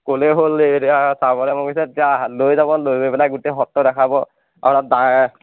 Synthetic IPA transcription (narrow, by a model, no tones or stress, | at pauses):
koleɦoletiasabɔlɛmɔkisɛtialojzabɔlojbebɛlakɡuteɦɔtːɔdɛkʰabɔ | a̰ɾada